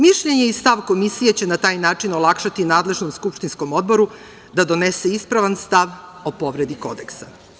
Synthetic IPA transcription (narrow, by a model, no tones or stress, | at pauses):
miʃʎe̞ɲe̞ist̪aʋko̞misijet͡ɕe̞nat̪aːjnaːt͡ʂino̞lˠakʃat̪inaːd̪le̞ʒno̞mskupʃt̪insko̞mo̞d̪̚bo̞ɾu | d̪ad̪o̞ne̞se̞ispɾaʋanst̪aʋo̞po̞ʋɾe̞d̪iko̞̰d̪e̞ksa